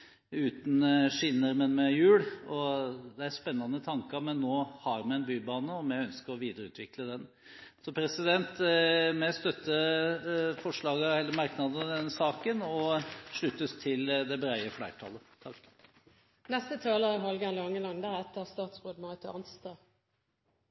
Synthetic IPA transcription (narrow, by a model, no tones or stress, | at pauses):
ʉːt̪n̩ʂɪnːəɾmɛnmɛjʉːɽɔd̪ɛæɾspɛnːɑnət̪ʰɑŋkɑmɛnːoːhɑɾmɛɛnbyːbɑːnəɔmjɛœnskəɾɔʋiːd̪əɾəʉ̰ːt̪ʰʋɪkləd̪ɛn | sɔpʰɾɛsɪd̪ɛnt̪mɛst̪œt̪ːə | fɔʂɭɑːɡəɛlːəmɑɾknɑd̪əd̪ɛnːəsɑːkənɔʂɭʉt̪ːəst̪ʰɪld̪ɛbɾæɪəflæɪʈ̪ʰɑ̰lːət̪ʰɑkː | nɛst̪ət̪ʰɑːləɾəɦɑlɡɛnlɑŋːəlɑŋd̪æɾɛt̪ːəst̪ɑːt̪sbʉːd̪mɑɪt̪ʰəɑnst̪ɑː